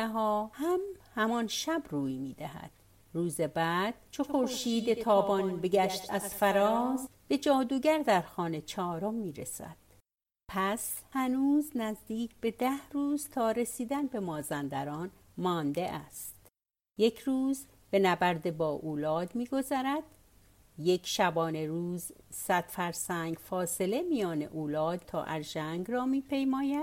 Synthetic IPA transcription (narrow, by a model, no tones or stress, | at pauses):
æɦɒːhæmhæmɒnʃæbruːjmiːd̪æhæ̰d̪̥ | ruːzebæːd̪̥̚t͡ʃʰoxo̞ɾʃiːd̪et̪ʰɒːbɒnbe̞ɟæʃt̪æz̥fæɾɒːsb̥e̞d͡ʒɒːd̪uːɟæɾd̪æɾxɒːne̞t͡ʃʰɒːɾomːiːɾesæ̰d̪̥ | pʰæshænuːznæzd̪iːcʰb̥e̞d̪æhruːz̥t̪ʰɒːɾe̞siːd̪ænbe̞mɒːzænd̪æɾɒːn | mɒːnd̪e̞ʔæst̪ | je̞cʰruːz | be̞næbæɾd̪e̞bɒːʔuːlɒːd̪miːɡo̞zæɾæd̪̥ | je̞cʰʃæbɒːne̞ɾuːzsæd̪̥fæɾsæŋɡfɒːse̞le̞mijɒːnḛʔuːlɒːd̪̥̚t̪ʰɒ̰ːʔæɾʒæŋɡrɒːmiːpʰe̞jmɒːjæd̪̥